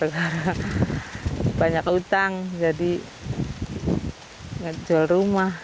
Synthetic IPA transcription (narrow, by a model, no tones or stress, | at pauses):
ɡaɾa | baɲakut̪aŋd͡ʒadi | ŋad͡ʒualrumah